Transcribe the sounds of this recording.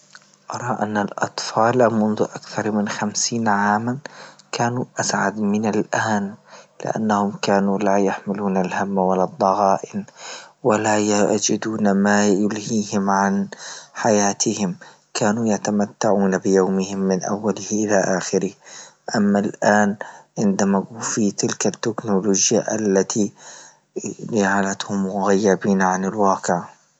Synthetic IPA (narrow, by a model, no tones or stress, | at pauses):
ʔɑɾˤɑːʔanːalʔɑ̰t̪ˤfɑːlmʊnðʊʔakθɑɾˤmɪnxamsiːnʕaːmankʰaːnuːʔasʕa̰d̪mɪnalʔaːnlɪ̰ʔa̰nːahʊmkaːnuːlaːjaħmɪluːnalhamːawalːad̪ˤːɑɣɑːʔɪnwalaːjad͡ʒɪd̪uːnamaːjʊlhiːhɪmʕanħajaːt̪ʰɪhɪm | kʰaːnujat̪amat̪ːaʕuːnabɪjawmɪhɪmːɪnʔa̰wːalɪhʔɪlaʔaːxɪɾɪh | ʔamːalʔaːnʕɪnd̪amaɡuːfit̪ɪlkat̪ːɪknʊloːd͡ʒjaʔalːat̪ʰi | d͡ʒaʕalat̪hʊmːʊɣajːabiːnʕanɪlwaːqɪʕa